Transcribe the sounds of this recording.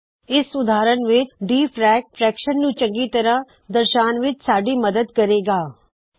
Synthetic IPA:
ɪsʊd̪ʱaːɾəɳʋɪt͡ʃɖiːpʰɾɛːk̚fʰɾɛːkʃənːũːt͡ʃə̃ŋɡiːt̪əɾã | d̪əɾʃaːnʋɪt͡ʃsaːɖiːməd̪əd̪kɐɾeːɡaː

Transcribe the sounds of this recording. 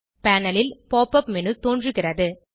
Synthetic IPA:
paːnɐlɪlpoːpɐpmɛnɯt̪oːndrɯɣɪrɐðɯ

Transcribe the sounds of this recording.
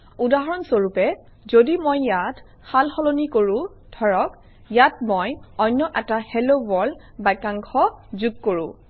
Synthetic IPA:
udaɦɔɹɔnsoɹupɛ | zodimojːat | xalxɔlonikoɹũ | dʱɔɹɔk | jatmojɔjnːɔʔɛtahɛlobɔl | bajkaŋkʰɔzuɡ̚koɹũ

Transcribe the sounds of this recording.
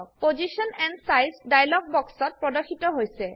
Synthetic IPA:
k̚pozisɔnɛnsajsdajlɔɡ̚bɔksɔt̚pɹɔdɔxʰitɔɦojsɛ

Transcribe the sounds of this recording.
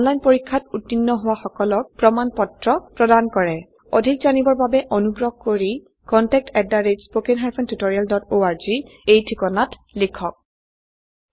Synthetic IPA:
ɔnlajnpoɹikʰːatutːinːɔɦʊwaxɔkɔlɔk̚pɹɔmanpɔtɹɔpɹɔdankɔɹɛ | odʱikzanibɔɹbabɛʔonuɡɹɔɡ̚koɹi | kɔntɛk̚tɛdːaɹed͡ʒspokenɦaɹpʰɔntutoɹialdɔtoaɹziejtʰikɔnatlikʰɔk̚

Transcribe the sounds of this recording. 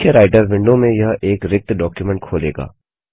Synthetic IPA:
əɾaːɪʈəɾʋɪ̃ɳɖomẽjɐɦʔeːkɾɪk̚t̪ɖɔːkjumɛ̃ɳʈ̚kʰoːlḛːɡa̰ː

